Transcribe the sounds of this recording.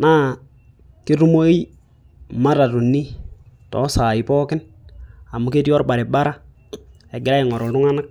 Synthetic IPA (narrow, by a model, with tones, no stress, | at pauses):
na˦ | kɪ˦ɾu˦mo˦i˦ | ma˦ɾa˨tu˨nːi˦tɔ̰˨˦saː˨ɪ˨pɔ˦kɪ˦n | a˨mu˦ke˦ti˦ɔ˦rba˨ɾɪ˨ba˦ɾa˦ | ɛ˨ɡɪ˨ɾa˦ɪ˨ŋɔ˨ɾɔ˨lʊ˦ŋa˦na˦k̚